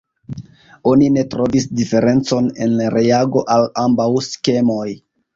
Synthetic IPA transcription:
o̞nine̞tɾo̞visdife̞ɾe̞nt͡so̞ne̞̰nlaɾʔeaɡo̞ʔalambawske̞mo̞j

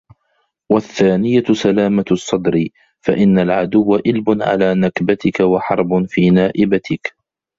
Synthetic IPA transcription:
waθːaːnɪjasalaːmasˤːɑd̪ɾɪ | faʔɪnːalʕad̪ʊwːaʔɪlbʊnʕa̰laːnakbat̪ɪkawaħɑɾˤbʊfiːnaːʔɪbat̪ʰɪk

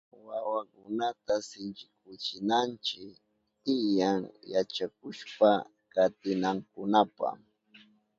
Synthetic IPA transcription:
wawakʊnat̪asɪnt͡ʃɪkʊt͡ʃɪnant͡ʃɪk | t̪ɪjaŋjat͡ʃakʊʃpa | kat̪ɪnaŋkʊnapa̰m

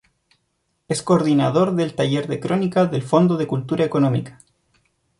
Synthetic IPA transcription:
eskoːɾðinaðo̞ɾðelt̪aʝe̞ɾðekɾo̞nikaðe̞lfo̞nd̪oðekult̪uɾaekonomḭkḁ

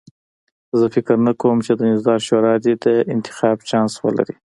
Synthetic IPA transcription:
zəfɪkɾnakawəmt͡ʃed̪ənɪzd̪ɑɾʃoɾɑd̪ed̪əʔɪnt̪ɪ̥xɑbt͡ʃɑnswə̰la̰ɾi

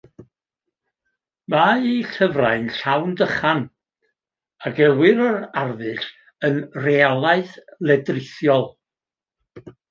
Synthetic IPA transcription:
maːiɬəvraɨnɬawndəχan | aɡɛwɪɾəɾarðɨɬ | ənrealˠaɨθlˠɛdrɪθjɔlˠ

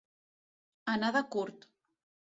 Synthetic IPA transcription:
anaðakuɾt̪

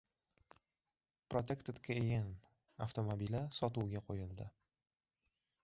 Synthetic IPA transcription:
pɾot̪ʰe̞kt̪ɪt̪kʲʰaejʲan | aft̪omobilasɒt̪uwɡʲaqʰojɪlˠd̪ɪ

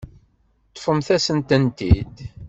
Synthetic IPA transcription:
t̪ˤːə̥fəmθæsənt̪ənt̪id̪

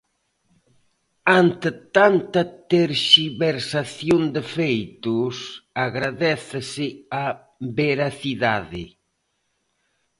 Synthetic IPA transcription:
ant̪ɪt̪ant̪ɐt̪eɾʃiβeɾsaθjond̪ɪfejt̪ʊsaɣɾaðɛθasɪa | beɾaθiðaðɪ̰

